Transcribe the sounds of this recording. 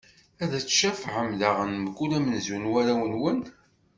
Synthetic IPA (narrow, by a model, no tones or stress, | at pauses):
æðæt͡sːʃæfʕəmðaʁənmɡulæmənzunwæɾæwənwən